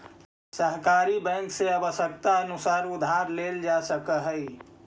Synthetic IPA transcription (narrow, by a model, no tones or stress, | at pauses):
səɦkaːɾibɛ̃ŋkseɐbəʃək̚t̪aənʊsaːɾʊd̪ʱaːɾleːld͡ʒasəkəɦəi